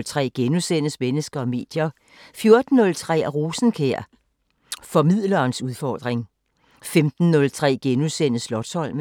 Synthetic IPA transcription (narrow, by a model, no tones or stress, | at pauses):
lt͡sʰʁɛ̰ːɡ̥enusen̰əsmenəsɡ̥ɐɒ̽me̝̰ːd̥jɐ | fjo̝ɐd̥n̩ːɔ̽lt͡sʰʁɛ̰ːʁuːsn̩kʰeɐ̰ | fɒ̽mið̰ˠlɐːnsuð̞ˠfɒːd̥ʁeŋ | femd̥n̩nɔ̽lt͡sʰʁɛ̰ːɡ̥enuðˠsen̰əslɒ̽d̥shɒ̽l̰m